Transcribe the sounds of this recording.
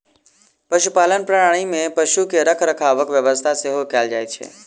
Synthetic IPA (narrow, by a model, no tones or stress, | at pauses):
pɐʃupaːlənpɾɐɽaːɽ̃imẽpɐʃukeɾəkʰɾɐkʰaːʋəkʋjɐʋəst̪ʰaseɦokjaːld͡ʒa̰ːjt͡ʃʰḛː